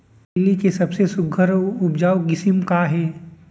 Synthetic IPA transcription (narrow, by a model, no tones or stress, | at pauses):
ɪlikesɐbsesʊɡʱəɾʊbd͡ʒaːwɡɪsɪmkaɦɛː